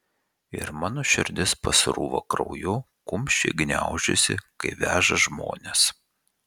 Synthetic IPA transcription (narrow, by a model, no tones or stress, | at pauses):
ɪ̰ɾmɑːnoːʃʲɪɾʲd̪ʲɪspɐsɾuːʋo̰kɾɒ̰ʊjʊ | kʊmʲʃʲt͡ʃʲḛɡnʲæ̰ʊʒʲɛ̰sʲɪkɐɪʋʲæːʒɐʒmo̰ːnʲes